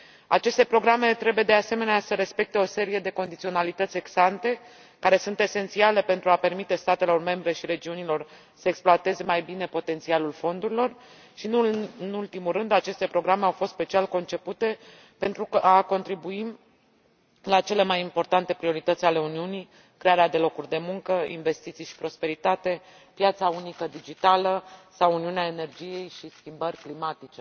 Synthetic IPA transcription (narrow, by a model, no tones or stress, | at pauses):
a̰t͡ʃe̞st̪e̞pɾo̞ɡɾame̞t̪ɾe̞buje̞d̪e̞ase̞me̞neasəɾe̞spe̞k̚t̪e̞o̞se̞ɾije̞d̪e̞ko̞nd̪it̪sio̞nalit̪ət̪sʲe̞ɡsant̪e̞ | kaɾe̞sunt̪e̞se̞nt̪siale̞pe̞nt̪ɾuape̞rmit̪e̞st̪at̪e̞lo̞rme̞mbɾe̞ʃiɾe̞d͡ʒiunilo̞r | səeksploat̪e̞ze̞majbine̞po̞t̪e̞nt̪sialulfo̞nd̪uɾilo̞r | ʃinɨnult̪imurɨnd̪at͡ʃe̞st̪e̞pɾo̞ɡɾame̞awfo̞st̪spe̞t͡ʃialko̞nt͡ʃe̞put̪e̞ | pe̞nt̪ɾukəʔako̞nt̪ɾibuim | lat͡ʃe̞le̞majimpo̞rt̪ant̪e̞pɾio̞ɾit̪ət̪sʲale̞uniunij | kɾeaɾead̪e̞lo̞kurʲd̪e̞muŋkəḭnve̞st̪it̪sijʃi̥pɾo̞spe̞ɾit̪at̪e̞ | pjat̪saunikəd̪id͡ʒit̪aləsawuniuneaene̞rd͡ʒije̞jʃiskʲimbərʲklimat̪it͡ʃe̞